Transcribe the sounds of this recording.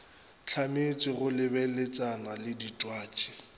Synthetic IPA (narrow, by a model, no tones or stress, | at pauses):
t͡ɬʰamet͡sʼɪɣʊlɪbɛlet͡sʼanalɪditʼwaːt͡ʃʼi̥